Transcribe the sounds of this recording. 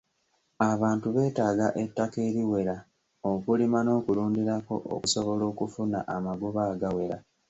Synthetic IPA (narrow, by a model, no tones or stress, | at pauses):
aβaːntuβe̞ːtaːɡaʔe̞tːake̞ːɾiwe̞ɾa | okulimano̞ːkuluːndiɾako̞̰ʔo̰kuso̞βo̞lo̞ːkufuna̰ʔamaɡuβaːɡawe̞ɾa